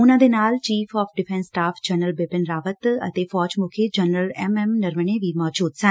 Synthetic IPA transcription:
ʊnãd̪eːnaːlt͡ʃiːfʰɔːpɖɪpʰɛ̃nsːʈaːpʰd͡ʒənəlbɪpɪnɾaːʋət̪ə̰t̪eːfɔːd͡ʒmʊkʰeːd͡ʒənɾəlɛmɛmnɪɾʋəɽ̃eʋiːmɔːd͡ʒuːd̪sə̃

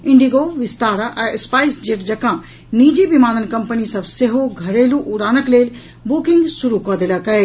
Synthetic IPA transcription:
ɪ̃ɳɖiɡoʋɪst̪aːɾaʔɛ̃ɪspaːɪsd͡ʒeːʈd͡ʒɐkã | niːd͡ʒibimaːnənkɐmpənisəbseɦoɡʱɐɾeːluʔuɾaːnəkleːl | bukɪ̃ŋɡsʊɾukɔd̪eləkəe

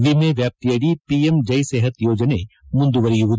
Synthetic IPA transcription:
ʋimeʋjaːp̚t̪iəɽipiːemd͡ʒɐjseːɦət̪joːd͡ʒənemʊ̃nd̪uʋəɾijuɦ

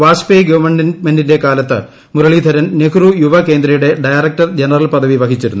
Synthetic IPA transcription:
ʋaːspeːɡɐʋʋɐɳnmendinde̞kaːlɐt̪ːɨ | murɐɭid̪ʱɐɾɐnnekrujuʋɐke̞ːnd̪rɐjuɽe̞ɖɐjɐrɐk̚ʈɐrd͡ʑenɐrɐlpɐd̪ʱɐʋiʋɐɦit͡ɕːiɾunːu

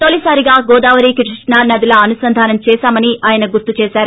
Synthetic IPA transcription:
t̪olisaːɾiɡaːɡɔːd̪aːʋɐɾiːkiʈiʈnaːɾnɐd̪ilɐːnusɐnd̪ʱaːnɐmt͡ʃɛːsaːmɐniaːjɐnɐɡuɾt̪ut͡ʃɛːʃaːɾu

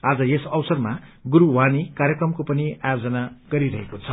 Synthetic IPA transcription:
ad͡zʌesʌwsʌrmaɡuɾuwanikaɾjekrʌmkopʌniajod͡zʌnaɡ̥ʌɾiɾʌɦekot͡sʰʌ

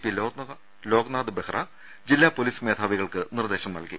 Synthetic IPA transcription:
pilo | lo̞ːɡnaːd̪ɨbekʰɐrʔa | d͡ʑilːaːpoliːsmeːd̪ʱaːʋiɣɐɭkɨnird̪eːɕɐmnɐ̰lkḭ

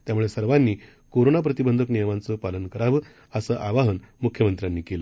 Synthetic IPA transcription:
t̪jamuɭesəɾʋanːiː | koɾonap̬ɾət̪ibənd̪ʱəknijəmant͡səːpalənkəɾaʋə | əsəːʔaʋaɦənmukʰjəmənt̪ɾjanːiːkelə

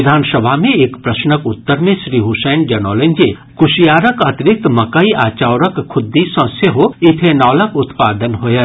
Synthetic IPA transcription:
ɪd̪ʱaːnsɐbʱamẽeːkpɾɐʃnəkʊt̪ːəɾmẽʃɾiːɦuʃɛ̃ːnd͡ʒɐnɔːlẽnd͡ʒe | kʊʃijaːɾəkɐt̪ɪɾɪk̚t̪mɐkəiaːt͡ʃaːwɾəkkʰːʊd̪ːisɐ̃ːseɦoɪt̪ʰenɔːləkʊt̪paːd̪ənɦojɐ

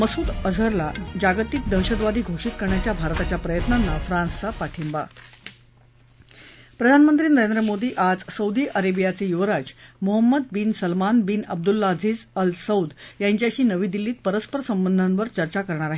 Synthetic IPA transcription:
məsuːd̪əd͡zʱəɾlad͡ʑaɡt̪iːk̪̚d̪ə̃wɕəd̪ʋad̪ʱiːɡʱoʂiːt̪̚kəɾɳjat͡ɕjabʱaɾt̪at͡ɕjapɾəjət̪nanːafɾãnsə̥t͡sapaʈʰimba̰ | pɾəd̪ʱanmənt̪ɾiːnəɾẽnd̪ɾəmod̪iːʔad͡zsəud̪iːʔəɾebijat͡sejuʋɾad͡ʑmoɦəmːəd̪̚biːnsəlmanbiːnəb̚d̪ulːaːd͡ziːd͡zəlsəwd̪jaɲt͡ɕjaɕiːnəʋiːd̪ilːiːt̪̚pəɾəspəɾsəmbənd̪ʱanʋəɾt͡ɕəɾt͡ɕakəɾɳ̃aɾaɦe

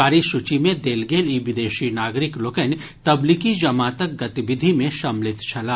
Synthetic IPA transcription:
aːɾiʃʊt͡ʃimẽd̪eːlɡeːlibɪd̪eːʃinaːɡɾɪklokən | t̪ɐblikid͡ʒɐmaːt̪ək̚ɡɐt̪iʋɪd̪ʱimẽʃɐmlɪt̪t͡ʃʰɐlaː

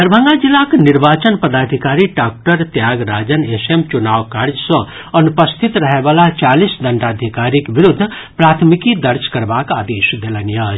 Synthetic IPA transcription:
d̪əɾbʱə̃ŋɡad͡ʒilːaknɪɾbaːt͡ʃənpɐd̪aːd̪ʱikaːɾiɖak̚ʈəɾt̪jaːɡɾaːd͡ʒənesemt͡ʃʊnaːʋkaːɾd͡ʒsɔ̃ | ɐnʊpəst̪ʰit̪ɾəɦeʋaːlat͡ʃaːlisd̪ʱɐɳʈad̪ʱikaːɾikbɪɾʊd̪ʱː | pɾaːt̪ʰmikid̪əɾt͡ʃkəɾbaːkaːd̪eːʃd̪elənjaːd͡ʒ

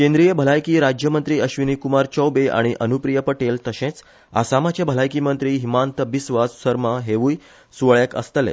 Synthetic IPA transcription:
kẽnd̪ɾijəbʱəlajkiːɾad͡ʑjəmənt̪ɾiːəɕʋiniːkumaɾt͡ɕəwbeʔa̰ɽ̃iʔənupɾijəpəʈelt̪əɕẽt͡s | a̰samat͡ɕjabʱəlajkiːmənt̪ɾiːɦimant̪əʋisʋasːəɾmaɦeʋuːj | suʋəɭjakə̰st̪əlḛ

